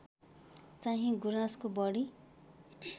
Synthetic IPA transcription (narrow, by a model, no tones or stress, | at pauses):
t͡saɦĩɡuɾãskobʌɽi